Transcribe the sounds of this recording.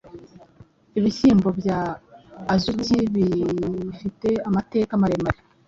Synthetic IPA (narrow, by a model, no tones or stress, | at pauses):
iβiçiːmbo̞bjaː | zuciβifite̞amate̞ːkamaɾemaɾe